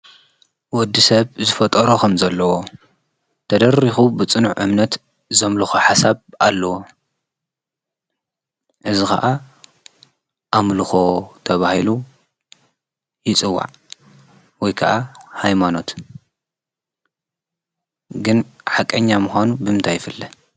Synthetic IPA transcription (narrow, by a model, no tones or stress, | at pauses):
wɔd̪ːisɐβzɨfɐt̪ʼɐɾokʰɐmzɐlːɐwo | t̪ʰɐd̪ɐɾixubɨt͡sʼɨnuʕʔɨ̰mnɐt̪ | zɐmluxoħasaβalːɐwo | ʔɨzixɐ̰ʔa | ʔamluxo̞t̪ʰɐβahilu | jɪt͡sʼɨwːa̰ʕ | wɔjkʰɐʔahajmano̞t̪ | ɡɨnħakʼɐɲːamuxanubɨmɨnt̪ʰajːɪfɨlːɐ